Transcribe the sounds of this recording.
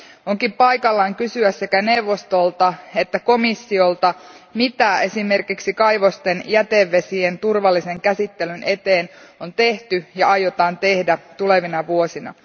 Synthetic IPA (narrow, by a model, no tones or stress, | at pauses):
oŋkimpɑjkɑlːɑːŋkysyæsːe̞kæne̞wʋːost̪o̞lt̪ɑet̪ːæko̞misːio̞lt̪ɑmit̪æe̞sime̞rkiksikɑjʋo̞st̪enjæt̪eʋːe̞sient̪urʋɑlːise̞ŋkæsit̪ːelynʔe̞t̪eːnont̪e̞ht̪yjɑɑjot̪ɑːnt̪e̞hdæt̪ule̞ʋinɑʋuo̞sinɑ̰